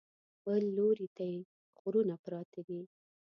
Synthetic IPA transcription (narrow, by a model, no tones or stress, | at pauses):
bəlːoɾit̪aje | ɣʊɾunapɾɑt̪adi